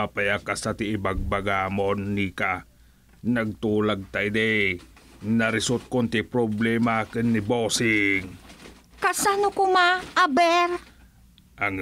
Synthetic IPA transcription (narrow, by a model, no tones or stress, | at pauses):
apajakasat̪ɪːbaɡ̚baɡaːmonːika | naɡ̚t̪uːlaɡ̚t̪aid̪ɛ | naɾɪsult̪̚kont̪ɪpɾoblɛːmakɨnːɪboːsɪŋ | kasanʊkʊmaʔabɛɾ | ʔaŋ